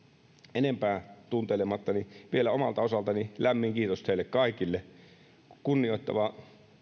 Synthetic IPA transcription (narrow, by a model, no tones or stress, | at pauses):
enempæːt̪unt̪elemɑt̪ːɑniʋielæomɑlt̪ɑosɑlt̪ɑnilæmːiŋkiːt̪ost̪eˑilːˑekkɑˑikilːe | kunːioˑet̪ːɑ̰ʋɑ